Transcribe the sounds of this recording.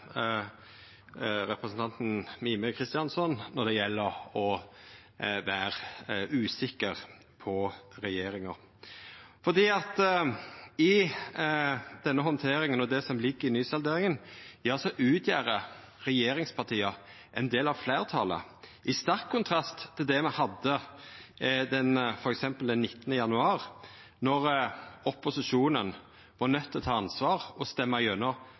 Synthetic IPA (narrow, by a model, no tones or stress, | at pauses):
ɾɛpɾəsən̩t̪ɑnt̪n̩miːməkʰɾɪst̪ɪjɑnsɔnnːɔd̪ɛjɛlːəɾɔ | ʋæːʁʉːsɪkəʁ | pʰɔɾɛjeːɾɪŋəʁ | fɔʁd̪iːɑt̪ | ɪ | d̪̥ɛnːəɦɔnt̪ʰeːɾɪŋənɔd̪ɛsɔmlɪɡːəɾɪnyːsɑld̪eːɾɪŋənɛɑlsɔʔʉːt̪ʰjæːɾə | ʁɛjeːɾɪŋspʰɑʁt̪ʰiːɑ | ʔɛnd̪eːlɑʋflæːʁt̪ʰɑ̰ːlə̰ʔɪst̪ɑʁkʰːʊnt̪ʰɾɑst̪ʰːɪld̪ɛmɛhɑd̪ːə | d̪ɛnfɔɾɛksɛmpəld̪ɛnːɪt̪ːənəjɑnʉɑːʁ | nɔʁɔpʊsɪʂuːnən | ʋɑɾnœt̪ʰːɪlɔt̪ʰɑːɑnsʋɑːɾɔst̪ɛmːɑœnɔ